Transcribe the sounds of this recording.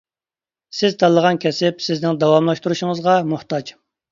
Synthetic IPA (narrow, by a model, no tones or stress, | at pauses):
sɪzt̪ʰɑlˠːəʁɑnkʲʰɛsɪpsɪznɪŋd̪ɑwɑmlˠɑʃt̪uɾuʃɪŋəzʁɑmuht̪ɑd͡ʒ